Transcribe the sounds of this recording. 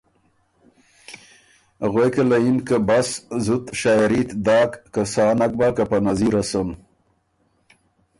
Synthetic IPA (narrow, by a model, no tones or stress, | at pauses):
ɣwekelainkabaszut̪ʃajaɾit̪d̪ɑːkːasaːnak̚bakapanaziɾason